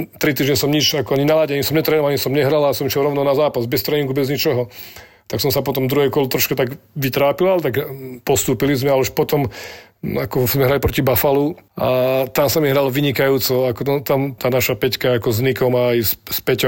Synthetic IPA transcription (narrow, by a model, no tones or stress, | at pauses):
t̪ɾit̪̬iːʒɲɛsɔmɲit͡ʃakɔaɲinalaɟɛaɲisɔmɲɛt̪ɾɛːnɔʋalaɲisɔmɲɛɦɾalasɔmiʃjɛlɾɔʊnɔnazaːpazbɛst̪ɾɛːɲiŋɡubɛzɲit͡ʃɔɦɔ | t̪aksɔmsapɔt̪ɔmd̪ɾuɦɛkɔlt̪ɾɔʃkat̪aɡʋit̪ɾaːpilalɛt̪akpɔst̪uːpilizmɛalɛuʃpɔt̪ɔm | akɔzmɛɦɾalipɾɔcibafaluat̪amsamiɦɾalʋiɲikajuːt͡sɔakɔt̪ɔt̪amt̪aːnaʃapɛckaakɔznikɔmaːjsspɛcɔ